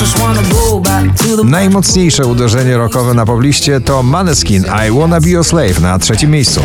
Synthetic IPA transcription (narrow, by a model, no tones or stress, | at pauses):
ʃwanəbɔ | bakt̪uðənajmɔt̪sɲejʂɛud̪ɛʐɛɲɛɾɔkɔvɛnapɔblʲiɕt͡ɕɛt̪ɔmanɛskʲina̰jwɔnabʲiɔslɛjfnatʂɛt͡ɕimʲjejst̪sṵ